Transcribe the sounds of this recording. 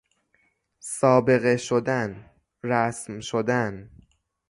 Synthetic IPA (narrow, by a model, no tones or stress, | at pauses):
sɒːbe̞ɣeʃod̪æn | ɾæsmʃod̪æn